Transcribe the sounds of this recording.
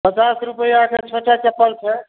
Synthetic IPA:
pət͡ʃasɾupəjakʰet͡ʃʰoʈat͡ʃəpːəlt͡ʃʰɛ

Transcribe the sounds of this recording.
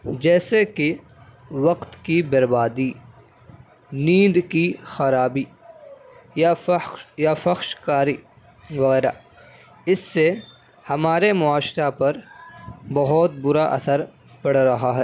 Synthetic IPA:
d͡ʒɛːsekɪ | ʋɐqt̪kibɐɾbaːd̪i | nĩːd̪kixɐɾaːbiː | jafjafɐxʃkaːɾi | ʋɐɣɛːɾa̰ | ɪsːe | hɐmaːɾemʊaːʃɾapɐɾ | bɐɦɔt̪̚bʊɾaʔɐ̰səɾ | pɐɽɾɐɦaɦɛː

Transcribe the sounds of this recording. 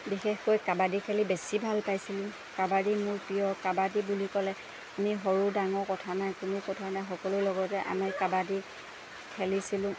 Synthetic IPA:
bixexkojkabadikʰɛlibesibʱalpajsilʊ̃ | kabadimʊɹpijɔkabadibulikɔlɛ | amiɦɔɹudaŋɔɹkɔtʰanajkʊnʊkɔtʰanajxɔkɔlʊlɔɡɔtɛʔa̰mikabadi | kʰɛlisilʊ̃

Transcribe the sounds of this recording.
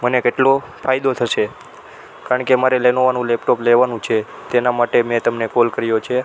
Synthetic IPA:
mənekeʈlo | fʰajd̪ot̪ʰəʃe | kaɾəɳkemaɾelenoʋanũlɛpʈopleʋanũt͡ʃʰe | t̪enamaʈemẽt̪əmnekolkəɾjot͡ʃʰe

